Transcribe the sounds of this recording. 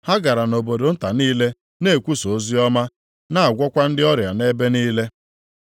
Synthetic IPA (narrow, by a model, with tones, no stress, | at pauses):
ha˦ɡa˨ɾa˨no˨bo˨do˨n̩˦ta˨niː˦le˦ | ne˦˨kʷu˦so˨˦zi˦ɔ˦ma˦ | na˦˨a˨ɡʷɔ˦kʷa˦n̩˦dɪ˦ɔ˦ɾja˨ne˦be˦niː˦le˦